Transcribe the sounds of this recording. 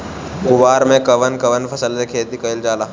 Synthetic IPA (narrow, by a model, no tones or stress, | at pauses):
ʊʋaːɾmẽkɐʋənkɐʋənpʰɐsəlsekʰeːt̪ikɐɪld͡ʒaːlaː